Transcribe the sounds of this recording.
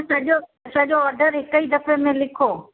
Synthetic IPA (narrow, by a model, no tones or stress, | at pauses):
sɐʄosɐʄoɔːɾɖəɾɦɪkəid̪ɐfemẽlɪkʰoː